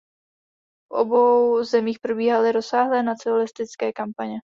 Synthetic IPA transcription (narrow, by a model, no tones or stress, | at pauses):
fʔo̞bo̞wzɛmiːxpɾobiːɦalɪɾo̞saːɦlɛːnat͡sɪolɪst̪ɪt͡skɛːkampaɲɛ